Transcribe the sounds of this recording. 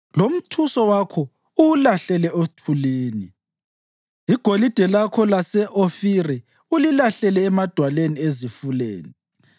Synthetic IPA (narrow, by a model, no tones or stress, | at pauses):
lom̩tʰusɔwakʰɔ | uulaɬɛlɛʔotʰuleːni | iɡ̥ʱolid̥ʱɛlakʰɔlasɛʔofiri | ulilaɬɛlɛːmad̥ʱwaleniezifulḛːni